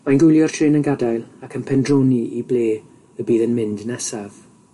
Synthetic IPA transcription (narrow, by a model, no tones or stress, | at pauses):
manɡʊjlˠjɔr̥tʰɪːnənɡadajlˠakʰənpʰɛndroːniʔibleː | əbiːðənmɪndnɛsav̥